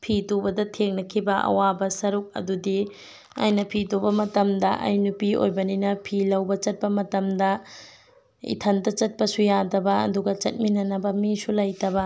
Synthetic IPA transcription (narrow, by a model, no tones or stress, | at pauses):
pʰitobɐdɐtʰeŋnɐkʰibɐʔɐ̰wabɐsɐɾuk̚ɐ̰dudi | a̰jnɐpʰitobɐmɐtɐmdɐʔɐ̰jnupio̰jbɐninɐpʰilɐwbɐt͡ʃɐt̚pɐmɐtɐmdɐ | ḭtʰɐndɐt͡ʃɐt̚pɐsujadɐbɐɐ̰duɡɐt͡ʃɐt̚minɐnɐbɐmisulɐjtɐbɐ